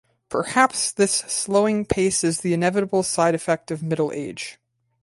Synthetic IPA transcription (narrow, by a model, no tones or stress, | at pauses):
pʰə˞hæpsðɪsːloʊɪ̃ŋpʰeɪsɨzðiɨ̃nɛvɨɾəbl̩ˠsaɪɾɨfɛk̚tʌvmɪɾl̩ˠḛɪd̥ʒ̥